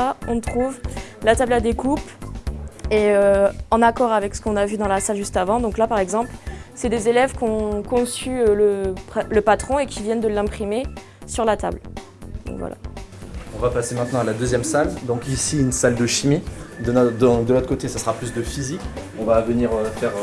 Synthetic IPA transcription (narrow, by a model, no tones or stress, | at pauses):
ɔ̃t̪χuvlat̪ablad̪ekup | eøɑ̃nakɔʁavɛksə̥kɔ̃navyd̪ɑ̃lasalʒyst̪avɑ̃d̪ɔ̃klapaʁɛɡzɑ̃plsɛd̪ezelɛvkɔ̃kɔ̃syøləpləpat̪χɔ̃ekʲivjɛnd̪əlːɛ̃pχime | syʁlat̪a̰bl | d̪ɔ̰̃kvwa̰la̰ | ɔ̃vapasemɛ̃t̪nɑ̃alad̪øzjɛmsald̪ɔ̃kisiynsald̪əʃimid̪əd̪d̪əloɔt̪χəkot̪esasəʁaplysd̪əfizik | ɔ̃vavəniʁøfɛʁ